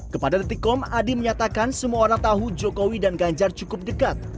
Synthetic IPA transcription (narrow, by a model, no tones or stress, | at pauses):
kəpadad̪ət̪ikɔmadiməɲat̪akansəmuaoɾaŋt̪aɦud͡ʒokowidanɡaɲd͡ʒart͡ʃukʊp̚dəkat̪̚